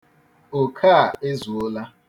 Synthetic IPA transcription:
o˨kʰa˦˨e˦zu˨o˦la˦

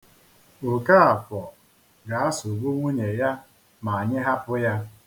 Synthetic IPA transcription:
ʊ˨ka˦a˨fɔ˨ | ɡa˨a˦sʊ˨ɡo˦ŋʷu˦ɲe˨ja˦ | ma˨a˨ɲɪ˦ɦa˦pʊ˦ja˦

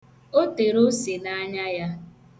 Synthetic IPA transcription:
o˦te˨ɾo˦se˨na˦ɲa˦ja˦

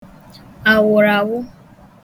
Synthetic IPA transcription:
a˨wʊ˨ɾa˨wʊ˦

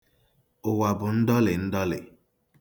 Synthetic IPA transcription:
ʊ˨wa˨bʊ˨n̩˦dɔ˦lɪ˨n̩˦dɔ˦lɪ̰˨

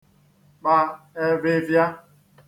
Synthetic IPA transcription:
k͡pa˦ | e˦ve˦vja˦

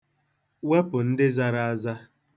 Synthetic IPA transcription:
wa˦pʊ˨n̩˦dɪ˦za˦ɾa˨a˦za˦

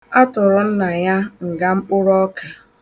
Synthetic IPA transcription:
a˦tʊ˨ɾʊ˨n̩˦na˨ja˦ŋ̩˨ɡa˦m̩˦k͡pʊ˦ɾɔ˦ka˨

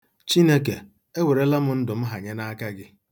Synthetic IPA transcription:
t͡ʃi˦ne˦k̬e˨ | e˦we˨ɾe˦la˦mʊ˦n̩˦dʊ˨m̩˦ɦa˨ɲe˦na˦ka˦ɡɪ˦

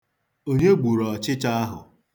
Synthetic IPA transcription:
o˦ɲe˦ɡ͡bu˨ɾɔ˨t͡ʃɪ˦t͡ʃa˦a˦ɦʊ̰˨

